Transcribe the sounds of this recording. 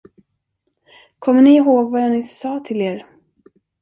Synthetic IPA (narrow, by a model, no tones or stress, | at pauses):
kʰɔmːəɳɪɪɦoːɡvajanɪsɑːt̪ʰɪleːɾ